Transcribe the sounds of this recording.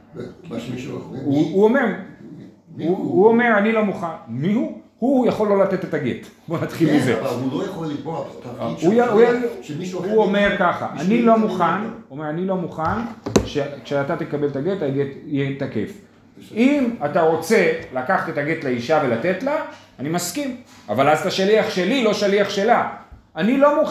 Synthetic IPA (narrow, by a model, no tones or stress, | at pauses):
uuomeʁ | uuome̞ʁanilo̞muχanmihuhujaχo̞lːo̞late̞tetaɡetbo̞nat̪χilmizeulojaχolːibo | ujauj | uome̞ʁkaχa̰ʔanilo̞muχanomeʁanilo̞muχanʃekʃeat̪at̪ekabe̞lt̪aɡetaɡetjet̪ake̞̰f | imat̪aʁo̞t͡se̞lakaχat̪e̞taɡetleiʃave̞lat̪e̞t̪la | animaskima̰valazt̪aʃaliaχʃe̞lilo̞ʃaliaχʃe̞la | anilo̞muχ